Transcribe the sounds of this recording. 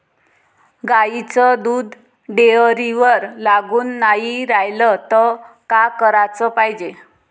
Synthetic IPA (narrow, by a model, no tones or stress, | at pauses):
ɡait͡səd̪uːd̪ʱ | ɖeəɾiʋəɾlaɡuːnːaɦiɾajlət̪ɔkakəɾat͡səpaɦjd͡ʑe